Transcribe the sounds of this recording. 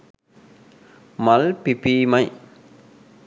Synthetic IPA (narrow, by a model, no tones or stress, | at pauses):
mɐlpipiːmɐɪ